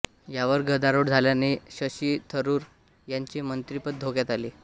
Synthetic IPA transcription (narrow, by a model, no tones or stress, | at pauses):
jaʋəɾɡəd̪aɾoɽd͡zʱaljaneɕəɕiːt̪ʰəɾuːɾ | jaɲt͡ɕimənt̪ɾipət̪̚d̪ʱokjat̪ali